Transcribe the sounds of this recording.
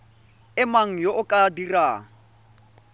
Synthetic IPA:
ɪmaŋ̩joʔʊkʼadiraːŋ̩

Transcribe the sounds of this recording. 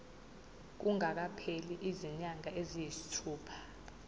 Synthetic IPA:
k̬uŋak̬apʰeliʔiziɲaŋaezijisi̥tʰuːpʰḁ

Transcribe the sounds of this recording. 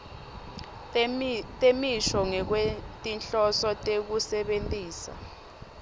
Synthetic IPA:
tʼemiʃɔŋɛk̬wetʼinɬɔsɔtʼek̬usɛɓentʼiːsa̰

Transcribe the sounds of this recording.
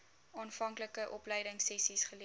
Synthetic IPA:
ɑːnfɐŋkləkəʔɔplɛjdəŋsɛsisχəli

